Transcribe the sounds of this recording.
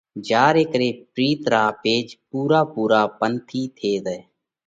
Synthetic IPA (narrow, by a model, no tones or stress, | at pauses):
d͡ʒaːɾeːkɾeːpɾiːt̪ɾaːpeːd͡ʒpuːɾaːpuːɾaːpənt̪ʰiːt̪ʰeːd̪ɛː